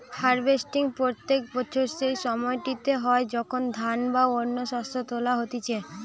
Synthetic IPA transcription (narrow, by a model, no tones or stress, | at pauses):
faɾbesʈiŋpɾot̪ːek̚bɔt͡ɕʰoɾʃejʃɔmɔeʈit̪eɦɔed͡ʑɔkʰond̪ʱanbaoɾnːoʃɔst̪ot̪olaɦot̪it͡ɕʰe